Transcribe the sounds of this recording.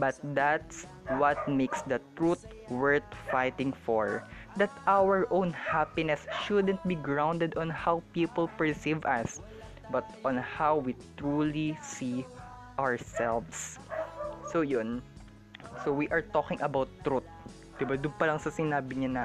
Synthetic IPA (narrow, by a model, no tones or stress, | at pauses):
bɐt̪̚d̪at̪s | wɐt̪̚mejksd̪ɐt̪ɹut̪̚ | wɛɹt̪fajt̪ɪ̃ŋfɔɹ | d̪ɐt̪ʔawəɹʔõwnhapɪnɛsʃʊd̪ɛ̃nt̪̚biɡɹawnd̪ɛd̪ɔ̃nhawpiːpɔlpɛɹsivʔɐs | bɐt̪ʔɔnhawwit̪ɹulisi | ʔaɹsɛlvs | sojʊn | sowiʔɐɹt̪okɪ̃ŋʔɐbawt̪ːɾut̪̚ | d̪̥ɪbad̪ʊnpɐlɐŋsɐsɪnaːbɪɲana